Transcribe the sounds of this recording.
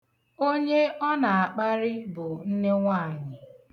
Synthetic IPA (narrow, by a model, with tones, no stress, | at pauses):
o˦ɲe˦ɔ˦na˨a˨k͡pa˦ɾɪ˦bʊ˨n̩˦ne˦ŋʷa˦a˨ɲɪ˨